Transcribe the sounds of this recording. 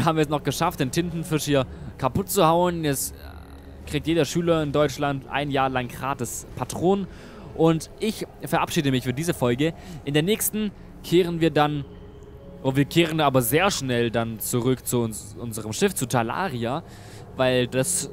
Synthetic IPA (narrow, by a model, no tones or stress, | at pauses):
haːbmviːɐɛsnɔχɡ̥əʃaft̚d̥eːntʰɪntn̩fɪʃhiːɐkʰapʊt̚t͡suhaʊənjɛt͡s | kʁ̥ik̚tjeːdɐʃyːlɐɪndɔʏt͡ʃlantʰʔa̰ɪnjaːɐlaŋɡʁaːtəspʰatʁ̥oːn | ʔʊntʔɪçfɛɐapʃiːdəmɪçfyːɐdiːzəfɔlɡəʔɪndeːɐnɛːçstn̩ | kʰeːʁənviːɐdan | ʔoviːɐkʰeːʁ̞ənaːbɐzeːɐʃnɛldant͡suʁʏkt͡suʊn | ʔʊnzəʁəmʃɪft͡sutʰala̰ːʁia | vaɪldas